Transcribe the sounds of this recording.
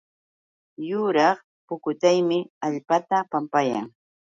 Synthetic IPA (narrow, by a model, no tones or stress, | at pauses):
jʊɾɑχ | pʊkʊt̪ajmɪaʎpat̪apampaja̰ŋ